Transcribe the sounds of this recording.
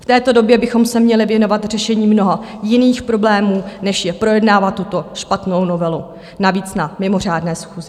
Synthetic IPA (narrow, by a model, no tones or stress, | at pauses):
ft̪ɛːt̪o̞do̞bjɛbɪxo̞msɛmɲɛlɪvjɛno̞vat̪r̝̥ɛʃɛɲiːmno̞ɦajɪniːxpɾo̞blɛːmuːnɛʃjɛpɾo̞jɛdnaːvat̪ːut̪o̞ʃpat̪no̞wno̞vɛlu | naviːt͡snamɪmo̞r̝aːdnɛːsxuːzɪ